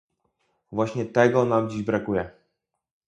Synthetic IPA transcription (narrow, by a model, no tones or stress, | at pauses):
vwaɕɲɛt̪ɛɡɔnamd͡ʑiʑbɾakujɛ